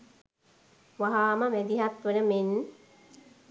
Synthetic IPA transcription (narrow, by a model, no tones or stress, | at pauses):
ʋaɦaːməmæd̪iɦat̪ʋənəmen